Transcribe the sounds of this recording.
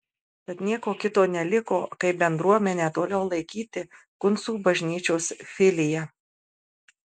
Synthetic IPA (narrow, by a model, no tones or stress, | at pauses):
bʲɛt̪nʲiɛkoːkʲɪt̪oːnʲɛlʲɪkoːkɐɪpbʲɛnd̪ɾuɔmʲɛnʲɛt̪oːlʲɛʊlˠɐɪkʲiːt̪ʲɪ | kʊnsuːbɐʒʲnʲiːt͡ʃʲoːsfʲɪlʲɪjɛ